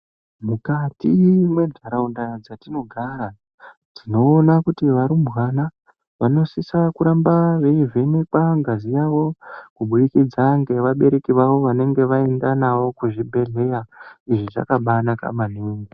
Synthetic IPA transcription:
mukatimwe̞dʱaɾaundad͡zatino̞ɡʱaːɾa | tino̞ːnakutiʋaɾumbwana | ʋano̞sisakuɾambaʋeivenekwaŋɡazijawo̞kuɓuɗikid͡zaŋɡe̞ʋaɓe̞ɾe̞kiʋaʋo̞ʋane̞ŋɡe̞ʋaendanaʋo̞kuʐibʱe̞ɮe̞jaiʐiʐa̰kaɓanaka̰maneːŋɡi

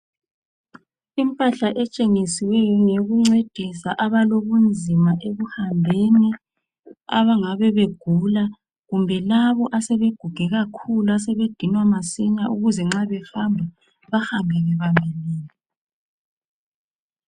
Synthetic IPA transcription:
impʼaɬaʔɛt͡ʃʼeŋisiwɛjɔŋeɣuŋ͡ǀed̥ʱisaʔaβaloβund͡zʱimaʔeɣuhambʱeni | a̰βaŋaβɛβeɡ̥ʱula | ɣumbʱɛlaβɔʔasɛβeɡ̥ʱuɡ̥ʱɛɣakʰuluasɛβed̥ʱinwamasiɲaʔuɣuzɛŋ͡ǁaβɛfambʱa | βahambʱɛɣɛβamʱiliːni

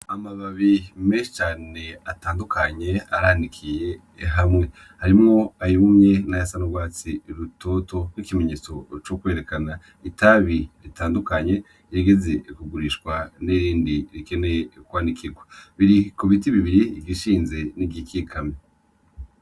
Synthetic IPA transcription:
amaβaβime̞ːʃi̥t͡ʃaːne̞ataːndukʰaɲe̞aɾandikʰije̞ | ɦamŋe̞ | haɾimŋo̞ajoumŋenajasanoɡwaːt͡siɾuto̞to̞nwikime̞ɲeːt͡so̞t͡ʃokwe̞ːɾe̞kana | itaβiɾitaːndukaɲe̞ | jeɡe̞ze̞kuɡuɾiʃkwaneɾiːndiɾike̞nekwaːnikiɡwaβiɾikoβitiβiβiɾivɡiʃiːnze̞nibɟikikʰame

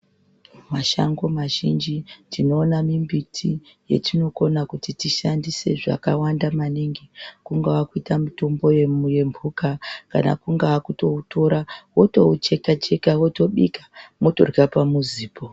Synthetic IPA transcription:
maʃa̰ŋɡo̞maʒind͡ʒindino̞ːnamimbitʰi | je̞̰tino̞ko̞nakutitiʃandise̞ʐa̰kawandamaniŋɡikuŋɡaakuitamito̞mbo̞jeje̞mbʱukaka̰na̰kuŋɡaakuto̞uto̞ɾawo̞to̞t͡ʃe̞kat͡ʃe̞kawoto̞ɓḭkḁmoto̞̰rkapamuziːpʰo

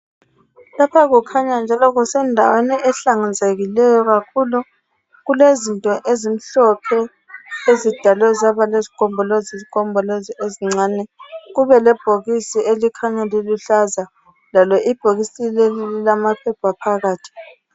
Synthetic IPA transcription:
lapʰaɣukʰaɲand͡ʒʱalɔɣusɛndʱa̰weniʔɛɬaŋand͡zʱeɣilɛjɔɣakʰulu | ɣulezintʼɔʔezim̩ɬɔpʰɛ | ezid̥ʱalwɛzaβalezikʰʼɔmbʱɔlozizikɔmbʱɔloziʔeziŋ͡ǀaːnɛɣuβɛlɛb̥ʱoɣisielikʰaɲaliluɬaza | lalɔʔib̥ʱoɣisilɛlililamapʰɛpʰapʰaɣaːtʰi̥

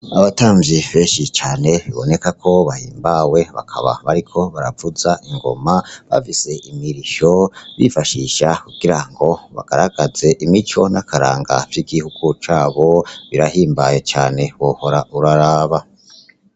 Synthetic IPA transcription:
aβataːmvjiveʃit͡ʃaːne̞βiβo̞ne̞kakʰo̞βahḭːmbawe̞βa̰kʰa̰βa̰βaɾikʰo̞βaɾavuzaʔiŋɡo̞̰maβa̰fise̞ʔimiɾiʃo̞βifaʃiʃakuɡ̥iɾaŋɡo̞βa̰ɡ̥aɾaɡ̥aze̞ʔimit͡ʃo̞nakaɾa̰ːŋɡa̰vjiːɡihuɡ̥ut͡ʃaːβo̞βiɾahiːmbajet͡ʃaːne̞βoho̞ɾaʔuɾaɾaːβa

